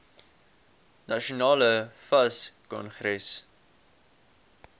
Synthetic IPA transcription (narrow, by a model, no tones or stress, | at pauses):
nɐʃionɑːləfɐskɔ̰nχrɛs